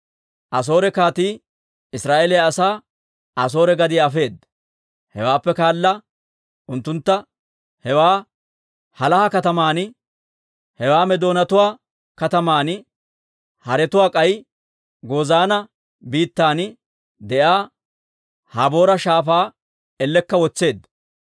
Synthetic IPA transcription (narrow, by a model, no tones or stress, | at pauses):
ʔɐs̬o̞ːɾɛkaːt̪iː | ɪsɾaːʔeːlɛjaːsaː | ɐs̬o̞ːɾɛɡɐd̪ɪɐfe̞ːd̪ɐ | hɛ̰waːpːɛkaːlːɐ | ʔʊnt̪ːʊnt̪ːɐ | hɛwaː | hɐlɐhɐkɐt̪ɐmaːnɪ | hɛwaːmɛd̪o̞ːnɐt̪ʊwaː | kɐt̪ɐmaːn | hɐɾɛt̪ʊwaːkʼɐj | ɡo̞ːzaːnɐ | biːt̪ːaːnɪ | d̪ɛʔaː | hɐbo̞ːɾɐʃaːfaː | ɛlːɛkːɐwɔt͡sːe̞ːd̪ːɐ